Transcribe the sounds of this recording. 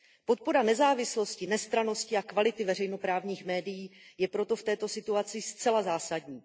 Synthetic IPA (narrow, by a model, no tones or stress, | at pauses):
po̞t̪̚po̞ɾanɛzaːvɪslo̞scɪnɛst̪ɾano̞scɪakvalɪt̪ɪvɛr̝ɛjno̞pɾaːvɲiːxmɛːdɪjiːjɛpɾo̞t̪o̞ft̪ɛːt̪o̞sɪt̪uat͡sɪst͡sɛlazaːsadɲiː